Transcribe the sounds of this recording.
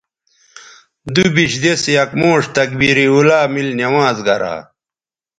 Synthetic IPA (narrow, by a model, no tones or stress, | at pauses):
d̪ubiɕd̪esjɐkmoːʂt̪ɐk̚biɾiulaːmilnɐwaːzɡɐɾa̰ː